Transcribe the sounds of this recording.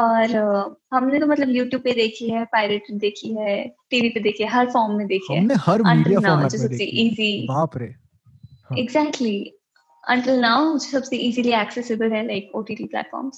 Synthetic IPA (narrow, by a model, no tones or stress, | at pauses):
ɔːɾɦɐmnet̪omɐt̪ləbjuːʈjuːb̚ped̪eːkʰiɦɛpaːɪleʈ̚ped̪eːkʰiɦɛʈiːʋiped̪eːkʰiɦɛɦɐɾfɔːɾmːẽd̪eːkʰiɦɛ̰mnehɐɾɐ̃ɳʈjanaːʊd͡ʒsɐseʔiːziapɾe | ɪɡzæːk̚ʈli | ɐ̰̃ɳʈɪlnaːʊd͡ʒsɐbseʔiːziliæːksɛsɪbəlɦɛlaɪkoːʈiːʈiplɛ̰ːʈfɔ̰ːɾmz̥